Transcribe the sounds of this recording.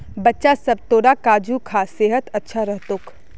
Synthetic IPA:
bɐtːʃasɐb̚t̪oːɽakaːd͡ʒukʰaseːɦət̪ɐtːʃʰaɾɐɦt̪ʊk

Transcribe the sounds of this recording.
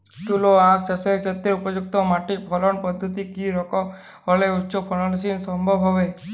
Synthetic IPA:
t̪uloakt͡ʃaseɾkʰet̪ɾeupɔd͡ʒuk̚t̪ɔmaʈipʰɔlɔnpɔd̪ʱːɔt̪ikiɾɔkɔ | hɔleut̪ːʃɔpʰɔlɔnsinsɔmbʱɔbʱɦɔbe

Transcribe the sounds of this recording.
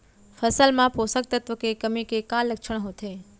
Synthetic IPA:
fəsəlmãposək̚t̪ət̪ʋəkekəmikekalːəkʃəɳ̃ɦot̪ʰe

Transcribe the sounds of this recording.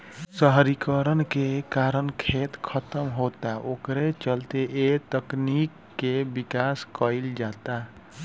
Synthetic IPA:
səɦɾikəɾənkekaɾənkʰet̪kʰət̪əmɦot̪aʔokɾet͡ʃəlt̪eʔet̪əknikːebikaskəɪld͡ʒat̪a

